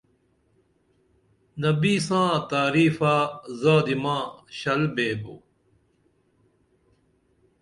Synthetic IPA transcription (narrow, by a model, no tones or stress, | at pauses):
nɐbiːsãːt̪aːɾiːfaːzaːd̪imãːɕɐlbeːbo̰